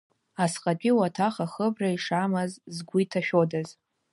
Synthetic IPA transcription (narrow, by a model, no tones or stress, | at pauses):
asqʼat͡pʲʷʼiwatʰaχaχəbraiʂamɨzzɡʷitʰaʃᶣodaz